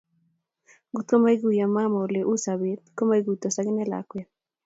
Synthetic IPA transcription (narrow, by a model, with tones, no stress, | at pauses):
ɡu˦t̪ko˦ma˦i˦ɡu˦ja˨ma˦ma˨o˨le˨ʔu˦sa˨βe˦t̪̚ko˦ma˦i˦ɡu˨t̪ɔ˨sa˦ɡɪ˦nɛ˦la̰˨kwɛ˦